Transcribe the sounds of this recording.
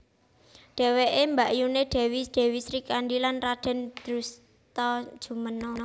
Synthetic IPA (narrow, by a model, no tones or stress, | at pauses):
ɖ̥ɛ̤weʔembaʔjuneɖ̥ɛ̤wisd̪̥ɛ̤wisɾikanɖilanrad̥ɛ̤nd̪̥ɾus | t̪ɔd̥ʒ̥ṳmənɔ